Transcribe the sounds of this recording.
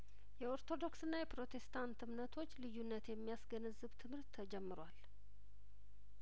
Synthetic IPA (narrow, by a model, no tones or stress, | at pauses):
jɛo̞ɾt̪ʰo̞d̪o̞ksɨnːajɛpɾo̞t̪ʰe̞st̪ʰant̪ɨmnət̪ʰo̞t͡ʃːlɨjːunːət̪jɛmːijasɡənəzɨβt̪ʰɨmhɨɾt̪ʰːəd͡ʒɛmːɨɾwal